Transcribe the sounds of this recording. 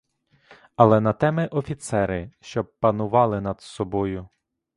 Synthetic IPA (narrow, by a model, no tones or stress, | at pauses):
ɐlˠɛnɐt̪ɛmɪʔɔfʲit̪sɛɾɪʃt͡ʃɔb̚pɐnʊʋɑlˠɪnɐd̪̥sɔbɔjʊ